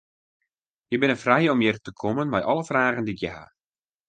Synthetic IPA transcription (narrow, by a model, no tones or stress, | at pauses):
jəbɪnəfrɛjɔmjərtəkʰɔmənmɛjʔɔlˠəfraːɣəndiɪkjəɦa̰